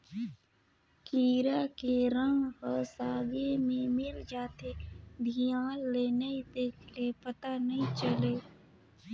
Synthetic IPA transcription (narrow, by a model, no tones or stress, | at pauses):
kiːɾakeɾə̃ŋɡhəsaːɡemẽmɪld͡ʒaːt̪ed̪ʱijãːlːenəĩd̪eːkʰlepət̪anɐɦĩt͡ʃəleː